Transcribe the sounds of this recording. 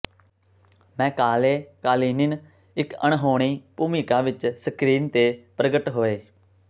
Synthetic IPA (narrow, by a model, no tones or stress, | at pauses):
mɛ̃ːkaːleːkaːliːnɪn | ɪkəɳɦoːɽ̃iːpuːmiːkãːʋɪt͡ʃsəkɾiːnt̪eːpɾəɡəʈɦoːeː